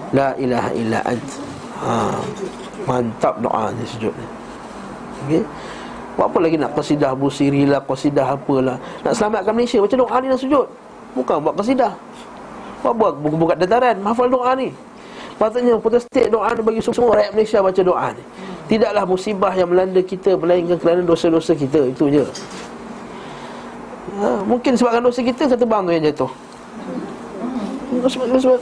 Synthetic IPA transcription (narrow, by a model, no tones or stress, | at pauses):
laʔila̰ɦa̰ʔḭla̰ʔa̰nt̪ | a | mant̪ap̚do̰ʔa̰nisud͡ʒʊ̰t̪̚ni | oke | bwa̰ʔpʊnlaɡinaʔkəsidahbusiɾilahkɔsidaɦapəlahna̰ʔsəlamat̪̚kanməlesiabat͡ʃadoʔaninaʔsud͡ʒʊt̪̚ | bukaŋbuaʔkəs̬idah | waʔbuaʔbukat̪̚dat̪aɾanmaafaldoʔani | pat̪̬uʔɲəpɾot̪ɛst̪ɪk̚doʔanibaɡisəsəməɾajaʔ̪̚məlasiabat͡ʃadoʔa̰n | t̪idaʔlahmusibahjaŋməlandəkit̪əməlaiŋkankəɾanadosədosək̬it̪əit̪ud͡ʒə | əmuŋkɪnsəbap̚kandosək̬it̪əkat̪̬əbaŋojaŋd͡ʒat̪ʊh | sasəba